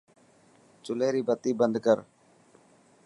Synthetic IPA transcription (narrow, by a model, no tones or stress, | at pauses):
t͡ʃʊleːɾiːbət̪iːbənd̪kəɾ